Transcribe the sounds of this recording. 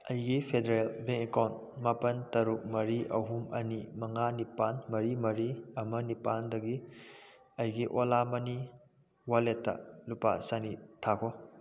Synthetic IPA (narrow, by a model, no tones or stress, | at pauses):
ɐjɡipʰedeɾelbeŋekawnmapɐntɐɾuk̚mɐɾiʔɐwɦumɐ̰nimɐŋanipanmɐɾimɐɾiɐmɐnipandɐɡi | ɐjɡiʔolamɐni | waletːɐ̰lupa̰sanitʰakʰɔ